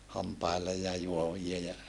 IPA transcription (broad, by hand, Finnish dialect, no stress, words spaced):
hɑmpɑilːe jɑ juoʋiɑ jɑ